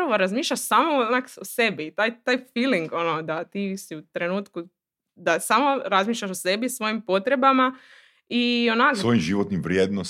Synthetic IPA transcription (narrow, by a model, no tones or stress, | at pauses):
ɾaʋoɾazmiːʃʎʲaʃsaːmoonakose̞bit̪aːjt̪aːjfiːliŋɡonod̪at̪iːsiut̪ɾe̞nuːt̪ku | d̪asaːmoɾazmiːʃʎʲaʃose̞bisʋo̞jimpo̞t̪ɾe̞bama | ionaksʋojimʒiʋot̪nimʋɾjeːd̪no